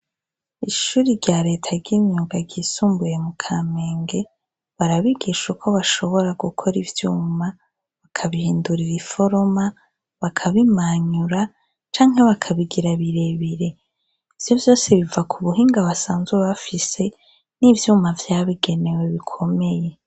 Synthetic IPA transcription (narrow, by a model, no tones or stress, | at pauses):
iʃuːɾiɾɟaɾe̞tʰaɾɟiːɲuːɡaɡiːsuːmbuje̞mukʰame̞ːŋɡe̞ | βaɾaβiɡiʃukʰo̞βaʃo̞βo̞ɾaɡukʰo̞ɾivjuːma | βakʰaβihiːnduɾiɾifo̞ɾoma | βakʰaβimaɲuɾa | t͡ʃaːŋɦe̞βakʰaβiɡiɾaβiɾe̞βiɾe̞ | iv̥jo̞vjo̞ːseβivakʰuβuɦiːŋɡaβasaːnzuweβafise̞ | nivjuːmavjaːβiɡe̞ne̞we̞βikʰo̞me̞je̞